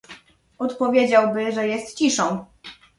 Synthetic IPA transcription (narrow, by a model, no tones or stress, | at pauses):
ɔt̪pɔvʲjed͡ʑawbɘʐɛjɛst̪t͡ɕiʂɔ̃w̃